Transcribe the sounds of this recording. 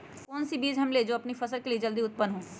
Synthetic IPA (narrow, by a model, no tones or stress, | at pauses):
kɔːnsibiːd͡ʒɦɐmled͡ʒoːɐpnipʰɐsəlkelied͡ʒəld̪iʊt̪̚pənːɦõː